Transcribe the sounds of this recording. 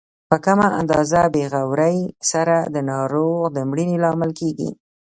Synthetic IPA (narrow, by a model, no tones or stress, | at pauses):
pəkamaʔa̰nd̪ɑzabeɣawɾəjsaɾad̪ənɑɾoɣd̪əmɽinelɑmɪlkeɡḭ